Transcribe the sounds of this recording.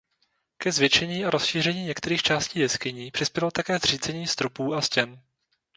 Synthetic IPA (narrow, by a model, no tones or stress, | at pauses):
kɛzvjɛt͡ʃɛɲiːʔaɾosʃiːr̝ɛɲiːɲɛkt̪ɛɾiːxt͡ʃaːsciːjɛskɪɲiːpr̝̥ɪspjɛlo̞t̪akɛːzr̝iːt͡sɛɲiːst̪ɾopuːascɛn